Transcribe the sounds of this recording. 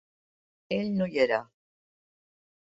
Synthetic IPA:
elnujeɾa

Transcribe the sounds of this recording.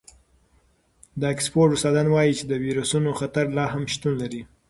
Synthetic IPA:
d̪əekspoɾʈʊst̪ɑd̪anwɑjit͡ʃed̪əwiɾusunoxat̪aɾlɑɦamʃt̪unlaɾi

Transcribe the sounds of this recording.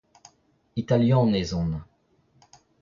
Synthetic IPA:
it̪aljɛ̃nezɔ̃n

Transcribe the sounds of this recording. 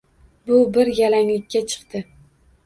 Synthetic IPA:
bʊbɪɾjalaŋlɪkʲːat͡ʃʰɨ̥qt̪ɪ

